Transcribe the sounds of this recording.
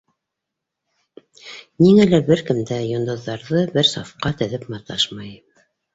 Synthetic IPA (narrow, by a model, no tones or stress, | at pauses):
niŋælæɾbɘɾkɘ̆md̪æjŏnd̪ŏðːɑɾðɤbɘɾsɑfqɑt̪ɘ̆ðɘpmɑt̪ɑʃmɑj